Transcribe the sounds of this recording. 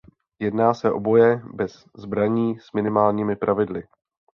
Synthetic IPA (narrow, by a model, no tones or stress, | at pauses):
jɛdnaːsɛʔo̞̰bo̞jɛbɛz | zbɾaɲiːsmɪnɪmaːlɲiːmɪpɾʔavɪdlɪ